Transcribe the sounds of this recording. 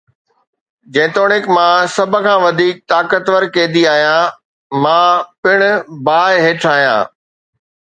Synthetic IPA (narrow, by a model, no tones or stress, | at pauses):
d͡ʑẽːt̪oːɽɪkmãːsɐbʱə̆kʰãːʋɐd̪ʱiːk̚t̪aːkət̪ʋəɾkẽːd̪iaːɦjãː | mãːpɪɽ̃ʊbaːɪɦeːʈʰaːɦijã̰ː